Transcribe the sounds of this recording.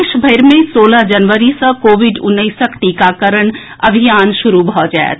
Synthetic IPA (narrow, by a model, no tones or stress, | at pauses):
ʃbʱəɪɾmẽsoːlad͡ʒɐnʋəɾisə̃koːʋɪɖʊnːəɪsəkt̪ikakəɾəɽ̃ | ɐbʱijaːnʃʊɾubʱɔd͡ʒa̰ːḛ